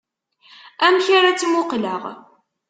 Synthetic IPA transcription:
æmçaɾat͡sːmʊqləʁ

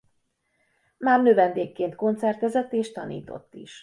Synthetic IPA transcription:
maːrnøvɛnd̪eːkːeːnt̪ko̞nt̪sɛrt̪ɛzɛt̪ːeːʃt̪ɒnḭːt̪o̞̰t̪ːḭʃ

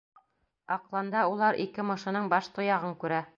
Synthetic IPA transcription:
ɑqlˠɑnd̪ɑulˠɑɾʔḭkɘmɤ̆ʃɤ̆nɤɴbɑʃt̪ŏjɑʁɤŋkʉɾæ

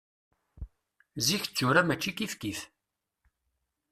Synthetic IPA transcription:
ziçə̥t͡sːʊɾamæt͡ʃːikifkiθ

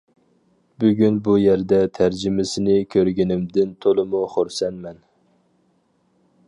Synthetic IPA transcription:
byɡʲynbujæɾd̪ɛt̪ʰæɾd͡ʒɪmɪsɪnɪkʲʰøɾɡʲinɪmd̪ɪnt̪ʰolˠɨmuχoɾsɛnmɛn

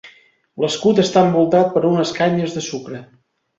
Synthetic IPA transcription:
ləskut̪əst̪aəmbulˠt̪at̪̚pəɾunəskaɲəzðəsukɾə

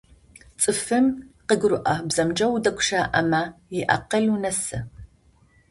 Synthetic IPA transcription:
t͡sʼɨfɨmqəɡʷrʊʔɐbz̥ɐmd͡ʒɐwdɐkʷʰʼʃaːʔɐmajɪʔɐ̰qɐlunɐsɨ

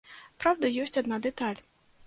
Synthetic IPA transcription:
pɾawd̪ɐjɔsʲt͡sʲad̪nad̪ɛt̪alʲ

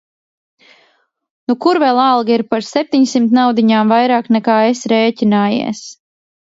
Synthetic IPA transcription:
nukuɾvɛlˠalˠɡiɾpaɾsep̚t̪ʲiɲsimt̪nawd̪iɲaːmvajɾaːknɛkaːesɾeːcʲinaːjḭɛs

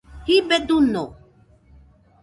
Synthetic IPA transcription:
hibɛd̪uno

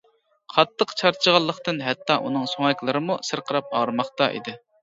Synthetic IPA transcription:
qʰɑt̪ʰːəqt͡ʃʰɑɾt͡ʃʰəʁɑlˠːəχt̪ɨnɦɛt̪ʰːɑʔunɨŋsoŋɛkʲlˠɨɾɨmusɨɾqʰəɾɑp̚ɑɾmɑχt̪ɑʔḭd̪ɪ

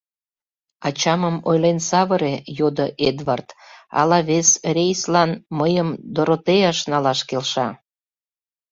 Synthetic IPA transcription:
ɑt͡ɕɑməmojlensɑβəɾejod̪əʔed̪vɑrt̪ɑ̰lɑβesrʲejslɑnməjəmd̪oɾot̪eɑʃnɑlɑʃkelʃɑ

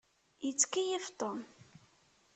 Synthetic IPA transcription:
jət͡sːkːijift̪ˤon

